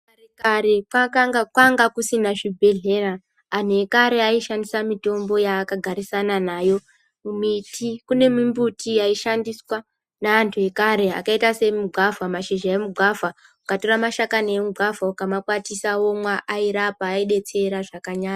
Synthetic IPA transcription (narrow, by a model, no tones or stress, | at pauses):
rekaɾekwakaŋɡakwaŋɡakusinaʐibʱe̞ɮe̞raː | n̤uekaɾe̞aiʃandisamito̞mbo̞jaːkaɡʱaɾisananaːjo̞ | mumitʰikune̞mimbutiaiʃandiswa | naːntʰue̞kaɾe̞a̰kaitase̞muɡʱavamaʃeʒaemuɡʱava | ukato̞ramaʃakanemuɡʱavaukamakwatisao̞mwaʔaiɾapaːiɗe̞t͡se̞ɾaʐakaɲaːɲa